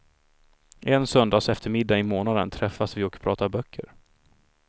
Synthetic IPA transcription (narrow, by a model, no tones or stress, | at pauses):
ʔɛnsœnd̪aːsɛft̪əɾmɪd̪ːaɪmoːnad̪ə̰nt̪ʰɾɛfːasvɪɔkpʰɾɑːt̪abœkʰːə̰ɾ